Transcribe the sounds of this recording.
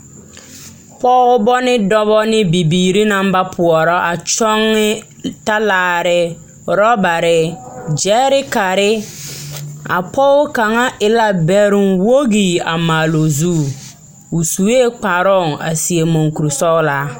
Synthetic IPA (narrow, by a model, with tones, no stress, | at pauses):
pɔː˦ʊ˦bɔ˦nɪ˦dɔ˦βɔ˦nɪ˦bi˨biː˨ɾi˦na˦mba˦pʰʊ˨ɔ˨ɾɔ˦ʔa˨t͡ʃɔ˦ŋːɪ˦ | ta˦laː˨ɾɪ˨ | ɾɔ˦ba˨ɾɪ˨d͡ʒɛ˦ɾɪ˦ka˨ɾɪ˦ | a̰˨pʰɔ˦ʊ˦ka˨ŋa˦ʔɪ˨la˦bɛ˨ɾɪ˨ŋwo˦ɣiː˨a˨maː˨lo˨zuː˦ | ʊ˨su˨eː˦k͡pa˨ɾɔ˦˨ŋa̰˨si˨e˨mo˨ŋku˨ɾu˨sɔ˦la˦